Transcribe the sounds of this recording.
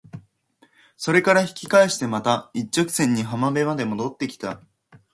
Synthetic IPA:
so̞ɾe̞kaɾaçi̥kʲi̥kaeɕi̥t̪e̞mat̪ait͡ɕːokɯ̟̥sẽ̞ɲ̟ːiɦamabe̞mad̪e̞mo̞d̪o̞t̪ːe̞kʲi̥t̪a

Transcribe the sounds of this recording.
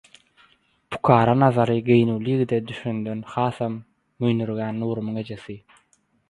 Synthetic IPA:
pʰu̥kʰɑːɾɑnɑðɑɾɯɡejnuːlijiɣid̪ed̪yʃynd̪ø̞nxɑːθɑmː | yjnyɾɣæːnːuːɾumɯŋe̞d͡ʒe̞θi

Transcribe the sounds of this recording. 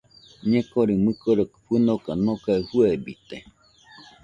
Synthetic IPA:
ɲẽkoɾimɨkoɾokɸɨnokanokahuebḭt̪e

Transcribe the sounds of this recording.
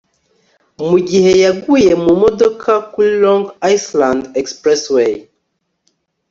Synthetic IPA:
muɡihejaɡujemumodokʰakulɔ̃ŋɡajslãndɛkspɹɛswe

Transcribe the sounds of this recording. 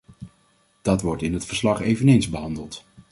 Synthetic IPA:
d̥ɑtʋɔɹtɪnɦətfəɹslɑχejvənejnzbəɦɑndəlˠt

